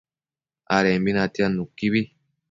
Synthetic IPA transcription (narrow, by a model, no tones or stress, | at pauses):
aɾɛmbinatianːukːiβi